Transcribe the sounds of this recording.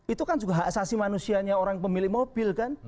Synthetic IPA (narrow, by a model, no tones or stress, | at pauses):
it̪ukand͡ʒuɡaɦasasimanusiaɲaoɾaŋpəmilɪhmob̥ɪlkan